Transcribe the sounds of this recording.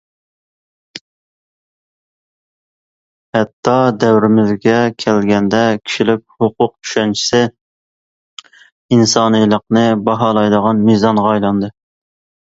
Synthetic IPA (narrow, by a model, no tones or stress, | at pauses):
hɛt̪ʰːɑd̪ɛwɾɪmɪzɡʲɛkʲʰælɡʲɛnd̪ɛkʲʰi̥ʃilɪkʲhoqʊq̚t͡ʃʰy̥ʃɛnt͡ʃʰi̥sɪ | insɑːnɨjlˠəqnɨbɑɦɑlˠɑjd̪əʁɑnmizɑnʁɑːjlˠɑnd̪ɨ